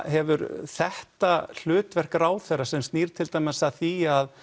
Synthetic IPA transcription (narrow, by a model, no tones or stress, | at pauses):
ɦɛvʏɾθɛht̪al̥ʏːt̪vɛr̥kaɾaːwθɛɾːasɛmst̪niːɾ̥t̪ʰɪlt̪ajmɪsaθiað